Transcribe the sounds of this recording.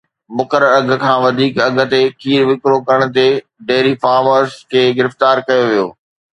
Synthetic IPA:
mʊkəɾəɾɐɡ̆ʱkʰãːʋɐd̪ʱiːkɐɡʱə̆t̪ekʰiːɾʋɪkɾokɐɾəɽ̃̆t̪e | ɖeːɦɾifaːɾməɾskʰeːɡɪɾɪft̪aːɾkɐjoʋijoː

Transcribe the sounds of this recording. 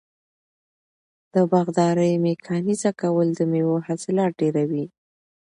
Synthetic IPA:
d̪̥əbaɣd̪ɑɾəjmekʰɑnizakawəld̪əmewohasɪlɑʈ̚ɖeɾawi

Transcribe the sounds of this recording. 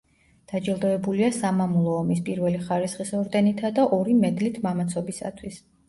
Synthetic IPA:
d̪̥ad͡ʒɛlˠd̪ɔɛbuliasamamulˠɔːmispʼiɾvɛliχaɾisχisɔɾd̪ɛnit̪ʰad̪aʔɔɾimɛd̪lit̪ʰmamat̪sʰɔbisa̰t̪ʰwis

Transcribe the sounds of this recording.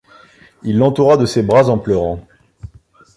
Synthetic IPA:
ilːɑ̃t̪uʁad̪əsebʁazɑ̃plœʁɑ̃

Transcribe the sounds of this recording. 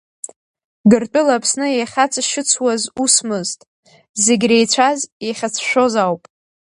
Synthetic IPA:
ɡɨrtʼʊlapʰsnɨeχʲat͡sʰʼaʃɨt͡sʰwazusmɨztʼ | zeɡʲrejt͡ɕʷʰazjeχʲat͡sʰʃʷᶣo̞zawpʼ

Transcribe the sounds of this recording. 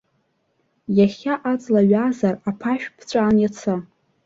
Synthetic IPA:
jaχʲaʔat͡sʼlaɥazarapʰaʃᶣpʰt͡ɕʷʼaːnjat͡sʰa

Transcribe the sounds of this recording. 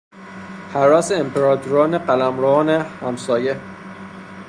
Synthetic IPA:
hæɾɒːseempʰeɾɒːt̪ʰuɾɒːneɢælæmɾɒːnehæmsɒːje

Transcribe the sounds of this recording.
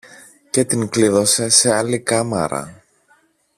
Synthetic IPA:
ce̞t̪iŋkliðo̞se̞se̞ɐlikɐmɐ̰ɾɐ̰

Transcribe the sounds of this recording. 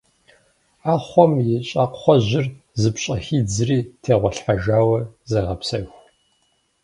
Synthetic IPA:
aːχʷɔmjɪɕʼɐqʷχʷɔʑɪr | zɨpɕʼɐxiːd͡zɨriːtʰeːʁʷɔɬħaʒaːwɐzɐʁɐpsɐxʷ

